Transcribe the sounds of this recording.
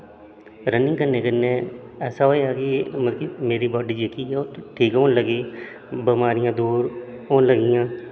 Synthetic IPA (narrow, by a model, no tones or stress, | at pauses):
ɾənɪ̃ŋɡkəɾneːkənːeːɛːsaːɦoːeaːkiːməɾkimeːɾiːbɔːɖiːd͡ʒeːkiːɛoʈʰiːkɦoːnləɡiː | bəmaːɾɪjãːd̪uːɾoːnləɡɪjãː